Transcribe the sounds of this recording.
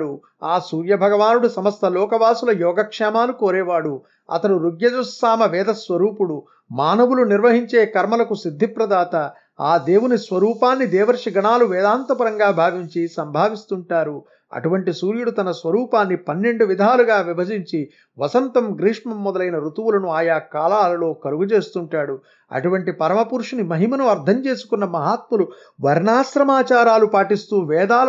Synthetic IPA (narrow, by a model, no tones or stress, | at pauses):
ɽu | aːsuːɾjɐbʱɐɡɐʋaːnuɽusɐmɐst̪ʰɐlɔːkɐʋaːsulɐjɔːɡɐkʂɛːmaːlukoːɾɛːʋaːɽu | ɐ̰t̪ɐɽuɾuɡjɐd͡ʒusːaːmɐʋɛːd̪ɐsʋɐɾuːpuɽu | maːnɐʋuluniɾʋɐɦiɲt͡ʃeːkɐɾmɐlɐkusid̪ʱːipɾɐd̪aːt̪ɐ | aːd̪eːwunisʋɐɾuːpaːnːid̪ɛːʋɐɾʂiɡɐɳaːluʋɛːd̪aːnt̪ɐpɐɾɐŋɡaːbʱaːʋiɲt͡ʃisɐmbʱaːʋist̪uɳʈaːɾu | ɐ̰ʈuʋɐɳʈisuːɾjuɽut̪ɐnɐsʋɐɾuːpaːnːipɐnːe̞ɳɖuʋid̪ʱaːluɡaːʋibʱɐd͡ʒiɲt͡ʃi | ʋɐsɐnt̪ɐmɡɾiːʂmɐmːɔd̪ɐlɐjnɐɾut̪uʋulɐnuaːjaːkaːlaːlɐlo̞ːkɐɾuɡut͡ʃe̞ːst̪uɳʈaːɽu | ɐ̰ʈuʋɐɳʈipɐɾɐmɐpuɾʂinimɐɦimɐnuɐɾd̪ʱɐɲt͡ʃe̞ːsu̥kunːɐmɐɦaːt̪̚mulu | ʋɐɾɳaːsɾɐmaːt͡ʃaːɾaːlupaːʈist̪uːʋɛːd̪aː